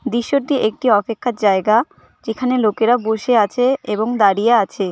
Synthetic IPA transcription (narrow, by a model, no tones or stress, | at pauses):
d̪iʃːoʈiʔek̚ʈiɔpekʰːaɾd͡ʑaeɡa | d͡ʑekʰanelokeɾaboʃeat͡ɕʰeeboŋd̪aɾijeat͡ɕʰe